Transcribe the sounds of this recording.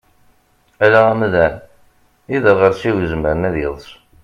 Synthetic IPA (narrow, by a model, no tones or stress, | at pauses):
ælææmðæn | iðəɾʁəɾsiwizməɾənæðjeðˤəs